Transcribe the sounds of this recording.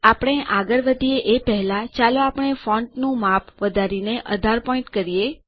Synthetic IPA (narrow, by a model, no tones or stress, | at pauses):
apəɳ̃eʔaɡəɾʋəd̪ʱieʔepɛɦlat͡ʃaloapɳ̃efɔ̃ɳʈnũmapʰʋəd̪ʱaɾineʔəd̪ʱaɾpɔĩɳʈkəɾie